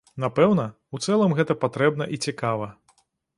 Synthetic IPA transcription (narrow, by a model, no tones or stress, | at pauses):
napɛwnɐ | wt̪sɛlˠɐmɣɛt̪ɐpat̪ɾɛbnɐʔit͡sʲikavɐ